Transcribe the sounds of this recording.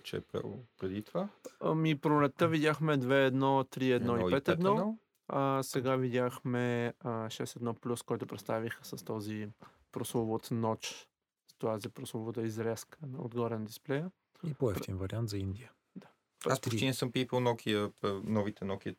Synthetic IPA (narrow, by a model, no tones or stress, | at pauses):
t͡ʃɛ̰pɾɛ̰lˠpɾɛd̪it̪ovamipɾolɛt̪ːəvid̪ʲaxmɛd̪vɛːd̪nɔt̪ɾiɛd̪nɔipɛt̪ɛd̪nɔɔ | əsɛɡavid̪ʲjaxmɛʃɛst̪ɛd̪nɔplʲuskɔjt̪ʊpɾɛt̪st̪avixəsɐst̪ɔzi | pɾoslˠovot̪nɔt͡ʃ | st̪oazipɾoslˠovot̪əizɾɛskənɐo̰d̪ɡɔɾɛnd̪isplɛjə | ipoɛfinvɐɾʲiant̪zɐind̪ʲiə | d̪a | aspot̪inɛsɤmpiponɔkʰiəpənɔvit̪ɛnɔkʲi